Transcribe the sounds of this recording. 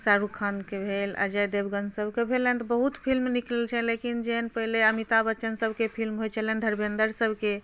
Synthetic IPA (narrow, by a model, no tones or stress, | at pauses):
saɾukʰːankebʱela̰d͡ʒɛjd̪ebɡənsəbʱkebʱelɛnt̪ɔbəɦut̪pʰilmniklelt͡ʃʰɛlekind͡ʒenpəɦileəmit̪abət͡ʃənsəbʱkepʰilmɦojt͡ʃʰəlɛnd̪ʱəɾbẽnd̪əɾsəbʱke